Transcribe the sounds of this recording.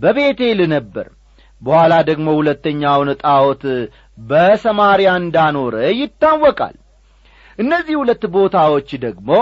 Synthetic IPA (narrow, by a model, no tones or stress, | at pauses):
bəβe̞t̪e̞lɨnəbːə̰ɾ | bəhalad̪əɡmo̞hulət̪ːəɲːawnɨt̪ʼawɔt̪ | bəsəmaɾijaɨnd̪ano̞ɾəjɪt̪ːawːɔkʼa̰l | ʔɨnːəzːihhulət̪ːbo̞t̪ʰawo̞t͡ʃːd̪əɡmo̞